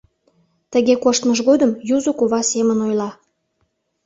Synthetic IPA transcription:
t̪əɣekoʃt̪məʒɣod̪əmjuzokuβɑsemənojlɑ

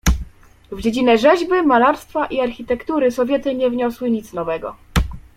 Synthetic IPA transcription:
vd͡ʑed͡ʑinɛʐɛʑbɘmalaɾst̪faʔiaɾxʲit̪ɛkt̪uɾɘsɔvʲjɛt̪ɘɲɛvɲɔswɘɲit̪snɔvɛɡɔ̰

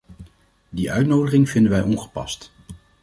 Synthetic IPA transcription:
diʔœ̰ɥtnowdəχɪŋvɪndənʋɛjʔɔnχə̥pɑ̰st

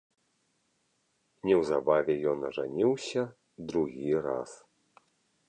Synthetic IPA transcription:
nʲɛwzabavʲɛjɔnɐʐanʲiwsʲɐ | d̪ɾuɣʲiɾa̰s

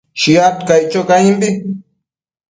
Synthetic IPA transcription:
ʃiat̪kajt͡ʃokaimbi

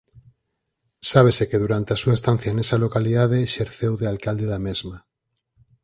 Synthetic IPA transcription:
saβ̞esekeðuɾant̪easuaest̪ãn̟θjaenesalokaliðað̞eʃeɾθewðealkald̪eðamezma

